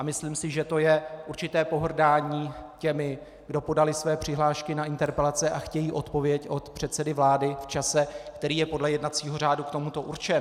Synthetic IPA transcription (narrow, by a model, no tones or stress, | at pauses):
ʔamɪsliːmsɪʒɛt̪o̞jɛʔuɾt͡ʃɪt̪ɛːpo̞ɦr̩daːɲiːcɛmɪ | ɡdo̞po̞dalɪsvɛːpr̝̥ɪɦlaːʃkɪnaʔɪnt̪ɛɾpɛlat͡sɛʔaxcɛjiːʔo̞t̪po̞vjɛco̞t̪pr̝̥ɛt̪sɛdɪvlaːdɪft͡ʃasɛkt̪ɛɾiːjɛpo̞dlɛjɛdnat̪t͡siːɦo̞r̝aːdukt̪o̞mut̪o̞ʔuɾt͡ʃɛn